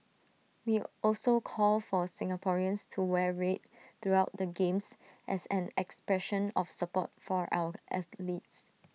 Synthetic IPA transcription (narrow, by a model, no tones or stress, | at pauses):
wiɔlsokʰɔlfɔsɪ̃ŋapʰɔɹiə̃nstʰuwɛɹet̚ | t̪ɹuaʊt̚dəɡẽmsʔɛ̰sɛ̃nɛkspɹɛʃə̃nɔfsəpɔ̰t̚fɔɹʔa̰wəʔɛθlits